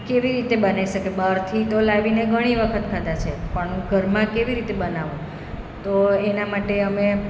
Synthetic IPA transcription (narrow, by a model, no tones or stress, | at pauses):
keʋiɾit̪ebənaʋiʃəkebaɾt̪ʰit̪olaʋineɡʱəɽ̃iʋəkʰət̪kʰad̪at͡ʃʰepəɳũɡʱəɾmãkeʋiɾit̪ebənaʋũ | t̪oenamaʈeəme